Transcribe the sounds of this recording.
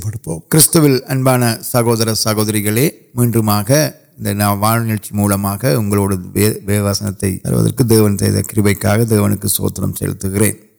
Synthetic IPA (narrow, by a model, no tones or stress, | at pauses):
pːɐɽɯpːo̰ːkɪɾɪst̪ɐʋɪlɐnbaːnɐsɐɣoːðɐɾɐsɐɣoːðɐɾɪɣɐɭeːmiːndrɯmaːɣɐ | ɪnd̪ɐnaːmʋaːɻnɪɻt͡ʃːimuːlɐmaːɣɐʊŋɡɐɭoːɽɐʋeːʋaːsɐnɐt̪ːɐɪɐ̰ɾɯ̰ʋɐ̰ðɐ̰rkɯd̪eːʋɐnt̪ɛ̰ːðɐ̰kɪɾɯbɐɪkːa̰ːɣɐd̪eːʋɐnɯkːɯso̰ːt̪ːɾɐ̰msɛ̰ɻɯ̰t̪ːɯɣɪrḛːn